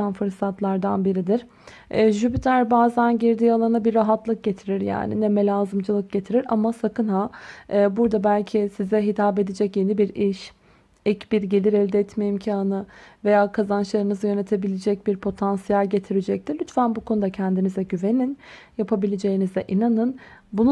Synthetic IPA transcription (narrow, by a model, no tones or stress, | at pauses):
anfɯɾsat̪ʰlˠaɾd̪anbiɾid̪iɪɾ̥ | ɛʒybit̪ʰæɾbaːzænɟiɾd̪ialˠaɾɯnabiɾːaɦat̪ʰlˠɯk̚ɟe̞t̪ʰiɾiɾja̰ːnḭnɛmɛlʲaːzɯmd͡ʒɯlˠɯk̚ɟe̞t̪ʰiɾiɾa̰masakɯnɦaːbuɾd̪abælʲcʰisizɛɦit̪ʰaːbe̞d̪ed͡ʒɛcje̞nibiɾiʃ | icbiɾɟelʲiɾɛvʲd̪ɛɛt̪mejimcʰaaːnɯve̞jaːkʰazanʃlˠaɾɯnɯzɯjø̞ne̞t̪ʰe̞bilʲed͡ʒɛc̚biɾpʰo̞t̪ʰansijælʲɟe̞t̪ʰiɾed͡ʒɛc̚t̪iɾlʲyt̪fænbukʰo̞nud̪acʰɛnd̪inizɛɟyve̞nin | japʰabilʲed͡ʒe̞jinizɛʔinanɯnbun